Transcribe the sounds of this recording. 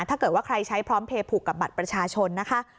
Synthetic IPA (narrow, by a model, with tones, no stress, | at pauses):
t̪ʰaː˥˩kɤː˨˩t̪̚waː˥˩ɾa˧jt͡ɕʰa˦˥jpʰɾɔː˦˥mpʰeː˧pʰuː˨˩kːa˨˩p̚ba˨˩t̪̚pɾa˧t͡ɕʰaː˧t͡ɕʰo˧nːa˦˥kʰa˦˥